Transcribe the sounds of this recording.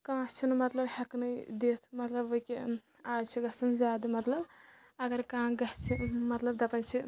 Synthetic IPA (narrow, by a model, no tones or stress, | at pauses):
kãːt͡ʃʰinmɐt̪lɐbhɐknɐd̪eːt̪ʰmɐt̪lɐboike | aːd͡ʒt͡ʃʰiɡɐsɐnzaːd̪ɐmɐt̪lɐb | ɐɡɐɾkãːɡɐɦt͡ʃʰimɐt̪lɐb̚d̪ɐpɐnt͡ʃʰi